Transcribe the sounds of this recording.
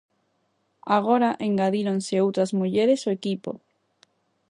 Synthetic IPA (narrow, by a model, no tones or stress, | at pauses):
aɣ̞oɾaʔeŋɡaðiɾonseowt̪ɾazmuʎeɾesoekipo̰